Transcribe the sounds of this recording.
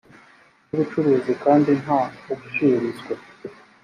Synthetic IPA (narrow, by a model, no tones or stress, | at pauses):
nuβut͡ʃuɾezikaːndinɦauɡuʃiɾizɡwa